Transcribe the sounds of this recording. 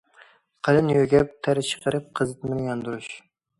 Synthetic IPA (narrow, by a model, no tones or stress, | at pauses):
qʰɑlɪnjøɡʲɛp̚t̪ʰæɾɪt͡ʃʰə̥qʰəɾɨp̚qʰəzɨt̪mɪnɪjɑnd̪uɾuʃ